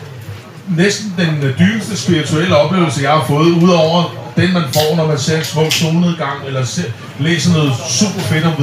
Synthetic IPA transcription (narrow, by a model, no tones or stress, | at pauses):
nesd̥n̩d̥end̥yːb̥əsd̥əsb̥iʁit͡sʰuel̰əɒ̽b̥le̝ːʊl̩səjɑ̈ɪhɑ̈fɔ̽ːð̞̩ˠuð̞̰ˠɒʊ̰ɐd̥enmænfɒ̰nɒmænseɐsmɔ̰̽soːnəð̩ˠɡ̥ɑ̈ŋ̰elɐse | lḛːsənɔ̽ːð̩ˠsṵb̥ɐfe̝d̥ɒ̽mʋ